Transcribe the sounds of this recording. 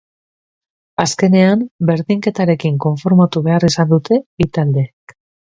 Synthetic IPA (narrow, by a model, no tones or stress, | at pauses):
aske̞ne̞ambe̞ɾðiŋke̞t̪aɾe̞kiŋko̞ɱfo̞ɾmat̪uβe̞arisand̪ut̪e̞it̪ald̪e̞ːk